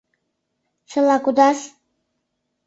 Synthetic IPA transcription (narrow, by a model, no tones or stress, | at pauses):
t͡sʰəlakud̪as